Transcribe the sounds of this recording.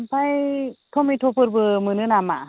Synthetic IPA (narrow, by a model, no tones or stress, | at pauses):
mpʰajtʰɔmitʰɔpɯɾbɯmɯnɯnamaʔ